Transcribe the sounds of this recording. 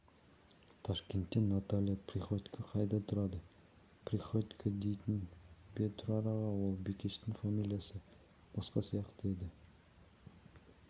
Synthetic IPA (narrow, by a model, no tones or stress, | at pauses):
t̪ʰɑʃkʲe̞nt̪ːenat̪alʲijapʰriχot̪ʲkʰəqʰɑjd̪ɑt̪ʰʊɾɑd̪ə | pʰɾiχot̪ʲkʰəd̪e̞jt̪ɪnbet̪ʰʊɾɑɾɑʁɑwolˠbekʲeʃt̪ɪŋfamilʲijasə | b̥ɑsqɑsijɑqt̪əe̞d̪ɪ